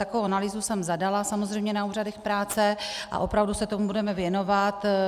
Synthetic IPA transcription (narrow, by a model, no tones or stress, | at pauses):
t̪akovowanaliːzusɛmzadalasamozr̝ɛjmɲɛnauːradɛxpɾaːt͡sɛʔa̰ʔo̞pɾavdusɛt̪omubudɛmɛvjɛno̞vat̪